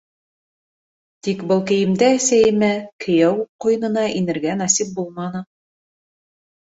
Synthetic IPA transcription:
t̪ikbɤlˠkɘ̆jɘ̆md̪æːsæjɘ̆mækʰɘ̆jæwuqqːŏjɤ̆nɤ̆nɑʔinɘ̆ɾɡænɑsip̚bulˠmɑnɤ

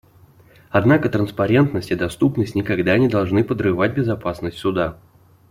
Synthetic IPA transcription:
ɐd̪nakət̪ɾənspɐɾʲe̞nt̪nəsʲtʲɪd̪ɐst̪upnəsʲtʲnʲɪkɐɡd̪anʲɪd̪ɐlˠʐnɨpəd̪rɨvat̚ʲbʲɪzɐpasnəsʲtʲsʊd̪a

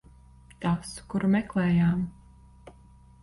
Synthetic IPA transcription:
t̪askuɾumɛklɛːjaːm

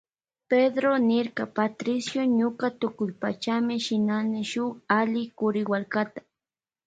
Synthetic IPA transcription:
ped̪ɾonɪɾkapat̪ɾɪsjoɲʊkat̪ʊkʊjpat͡ʃamɪʃɪnanɪʃʊχalɪkʊɾɪwaɾkat̪ḁ

